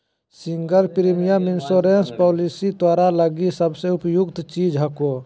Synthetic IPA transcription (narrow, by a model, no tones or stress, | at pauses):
siŋɡəɾpɾimijamɪnsoɾenspɔːlisit̪waːɾaləɡisəbseʊpjʊkt̪t͡ʃiːd͡ʒɦəko